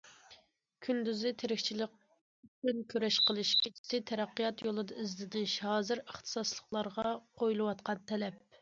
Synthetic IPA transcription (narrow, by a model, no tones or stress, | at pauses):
kʲʰynd̪yzɪt̪ʰeɾɪkʲt͡ʃʰilɪq̚ | yt͡ʃynkʲʰøɾɛʃqəlˠɨʃkʲʰit͡ʃʰi̥sɪt̪ʰɛɾɛqːijɑt̪jolˠɨd̪ɑɪzlɪd̪ɪnʃɑːzɨɾəχt̪ʰɨ̥sɑslˠə̥χlˠɑɾʁɑqʰojulˠɨwɑt̪qɑnt̪ʰɛlɛp̚